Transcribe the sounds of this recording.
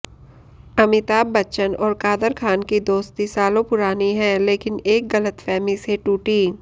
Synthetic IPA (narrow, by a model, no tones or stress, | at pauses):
ɐmɪt̪aːbːɐːʃənɔːɾkaːd̪əɾkʰaːnkid̪oːst̪isaːlõpʊɾaːniɦɛ̃ːleːkɪneːkɡɐlət̪fɛːmiseʈuːʈi